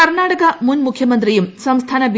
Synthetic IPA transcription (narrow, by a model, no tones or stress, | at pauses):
ɐɾnaːʈɐkɐmunmukʰjɐmɐnt̪ɾijumsɐmst̪ʰaːnɐbi